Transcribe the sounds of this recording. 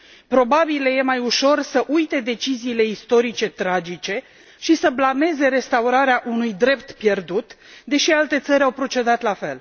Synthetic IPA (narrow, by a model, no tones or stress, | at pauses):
pɾo̞babileje̞majuʃo̞rsəʔujt̪e̞d̪e̞t͡ʃiziːle̞ist̪o̞ɾit͡ʃe̞t̪ɾad͡ʒit͡ʃe̞ | ʃisəblame̞ze̞ɾe̞st̪auɾaɾeaʔunujd̪ɾe̞pt̪pje̞rd̪ut̪d̪e̞ʃialt̪e̞t̪səɾʲawpɾo̞t͡ʃe̞d̪at̪lafe̞̰l